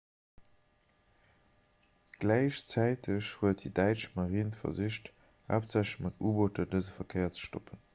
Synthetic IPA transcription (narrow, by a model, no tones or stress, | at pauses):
ɡ̥læɪʃt͡sæɪtʰəɕhuət̚didæɪt͡ʃmaʁiːntfɐ̰ziʃt | a̰ːpzæʃmɑtʰuːbotɐdəzəfɐkʰeɪɐt͡sə̥ʃtopʰən